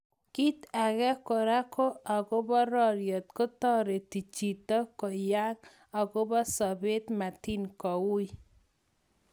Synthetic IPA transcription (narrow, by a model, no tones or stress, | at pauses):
kit̪aɡakɔɾakʰoaɡobɔɾɔɾjɔt̪kɔt̪ɔɾet̪it͡ʃit̪ɔkɔjak | aɡobɔsɔbet̪mat̪ʰinkɔuj